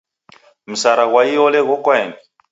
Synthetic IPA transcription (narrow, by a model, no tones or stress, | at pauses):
m̩saɾaɣwaiɔlɛɣɔkwɛːmbi